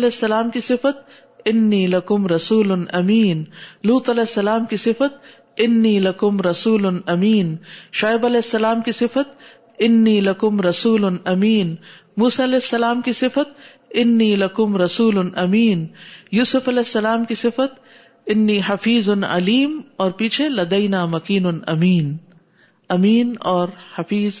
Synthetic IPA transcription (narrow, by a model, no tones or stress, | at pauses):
lɛːsːɐlaːmkisɪfət̪̚ | ɪnːiːlɐkʊmɾɐsuːlʊnʔɐmiːnluːt̪ɐlɛːɪsːɐlaːmkisɪfət̪̚ | ɪnːiːlɐkʊmɾɐsuːlʊnʔɐmiːnʃaːɪbɐlɛːɪsːɐlaːmkisɪfət̪̚ | ɪnːiːlɐkʊmɾɐsuːlʊnɐmiːn | muːsaɐlɛːɪsːɐlaːmkisɪfət̪̚ | ɪnːiːlɐkʊmɾɐsuːlnɐmiːnjuːsʊfɐlɛːɪsːɐlaːmkisɪfət̪ | ɪnːiːɦɐfiːznɐ̰liːmɔːɾpiːt͡ʃʰelɐd̪ɐjnaːmɐkiːnʊnɐmiːn | ɐmiːnɔːɾhɐfiːz